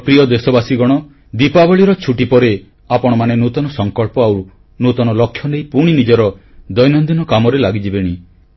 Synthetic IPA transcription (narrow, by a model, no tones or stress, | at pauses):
pɾijɔd̪esɔbasiɡɔɽ̃ɔ | d̪ipabɔɭiɾɔt͡ʃʰuʈipɔɾe | apɔɽ̃ɔmanenut̪ɔnɔsɔŋkɔɭpɔaw | nut̪ɔnɔlɔkʰːjɔnejpuɽ̃inid͡ʒɔɾɔ | d̪ɔjnɔnd̪inɔkamɔɾelaɡid͡ʒibeɽ̃i